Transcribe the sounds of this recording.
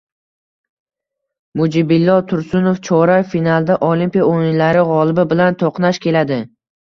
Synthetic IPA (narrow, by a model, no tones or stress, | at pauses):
mʊd͡ʒɪbɪlːɒt̪ʰʊɾsʊnoft͡ʃʰɒɾafinalˠd̪aʔolimpijaojɪnlaɾɪʁɒlˠɪbɪbɪlant̪ʰoqnaʃkʲʰe̞lad̪ɪ